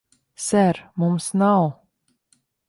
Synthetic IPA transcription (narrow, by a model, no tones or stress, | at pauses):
sɛɾmumsnaw